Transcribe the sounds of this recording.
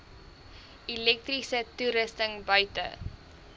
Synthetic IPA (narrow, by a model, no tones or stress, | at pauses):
ilɛk̚trisətuɾəstəŋbœɥtə̰